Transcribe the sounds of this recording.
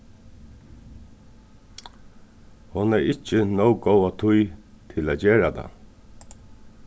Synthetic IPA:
hʊnɛɹɪt͡ʃːənowɡowat̪ʰʊj | t̪ʰɪlaːd͡ʒeːɹat̪ʰa̰

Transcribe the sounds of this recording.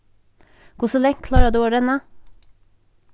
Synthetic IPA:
kʰʊsɔlɛŋkʰlɑːɾɑd̪ʉːoːɖɛnə

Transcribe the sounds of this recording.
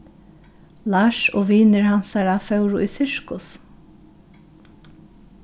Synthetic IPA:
laːʃɔːʋiːnəɹhansaɹafœwɾʊʔisɪɹkʊs

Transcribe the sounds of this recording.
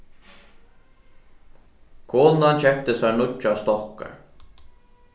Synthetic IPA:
kʰoːnant͡ɕʰɛk̚t̪əsaɹnʊcːʊast̪ɔhka̰ɹ

